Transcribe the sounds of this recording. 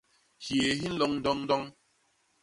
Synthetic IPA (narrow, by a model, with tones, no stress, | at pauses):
hje˨ɦi˦n̩˦lɔ˦ŋn̩˦dɔ˦ŋn̩˦dɔ˦ŋ